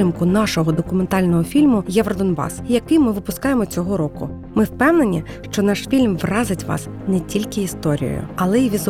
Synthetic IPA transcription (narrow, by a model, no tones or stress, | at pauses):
ɪmkʊnɑʃɔɦɔd̪ɔkʊment̪ɑlʲnɔɦɔfʲilʲmʊjɛʋɾɔd̪ɔnbɑ̰sjɐkɨjmɪʋɪpʊskɑjemɔt͡sʲɔɦɔɾɔkʊ̰ | mɪwpɛwnenʲi | ʃt͡ʃɔnɑʃfʲilʲmʋrɑzɪtʲʋɑ̰s | nɛtʲilʲkɪist̪ɔɾʲḭjɔ̰jʊ̰ɐlˠɛiʋʲizʊ